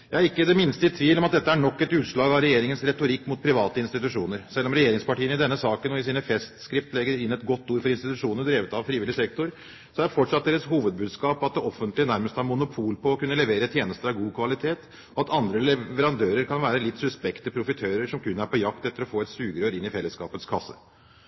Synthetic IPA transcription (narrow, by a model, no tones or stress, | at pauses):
jɑæɾɪkːəd̪ɛmɪnst̪əɪt̪ʰʋiːlɔmɑt̪̚d̪ɛt̪ːəæɳɔkːɛt̪ʉːt̪ʂɭɑːɡɑɾɛjeːɾɪŋənsɾɛt̪ʊɾɪkːmʊt̪̚pʰɾɪʋɑːt̪əɪnst̪ɪt̪ʉʂuːnəɾsɛlːɔmɾɛjeːɾɪŋspɑʈiːənɪd̪ɛnːəsɑːkənɔɪsiːnəfɛst̪skɾɪpt̪lɛɡːəɪnːɛt̪ɡɔt̪ːuːɾfɔɾɪnst̪ɪt̪ʉʂuːnəəd̪ɾeːʋət̪ɑʋfɾiːʋɪlɪsɛkt̪ʊɾ | sɔæfɔʈʂɑt̪̚d̪eːɾəshuːʋəd̪̚bʉːd̪skɑːpɑt̪̚d̪ɛʔɔfːənt̪lɪnæɾməst̪ɑɾmʊnʊpʰuːlpɔːkʉnːəlɛʋeːɾət̪ʰjeːnəst̪əɾɑʋɡuːkʰʋɑlɪt̪ʰeːt̪ | ɔɑt̪ɑnd̪ɾəlɛʋəɾɑnd̪øːɾəɾkʰɑnʋæːɾəlɪt̪ːsʉspɛkt̪əpʰɾʊfɪt̪ʰøːɾəɾʂɔmkʉnːəæɾpɔjɑkt̪ɛt̪ːəɾɔfoːɛt̪sʉːɡɾøːɾɪnːɪfɛlːəskɑ̰ːpət̪skʰɑsːə̰